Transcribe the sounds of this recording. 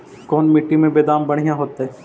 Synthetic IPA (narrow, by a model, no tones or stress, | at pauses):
kɔːnmɪʈːimẽbeːd̪aːmbɐɽ̤ijãɦoːt̪aɦɛː